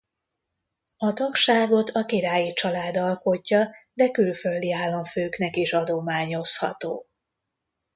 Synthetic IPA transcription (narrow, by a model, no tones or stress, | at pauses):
ɒt̪ɒkʃaːɡo̞t̪ʰɒkiɾaːjit͡ʃɒlaːd̪ɒlko̞cːɒd̪ɛkylfø̞ld̪iaːlːɒɱføːknɛkiʃɒd̪omaːɲo̞shɒ̰t̪o̰ː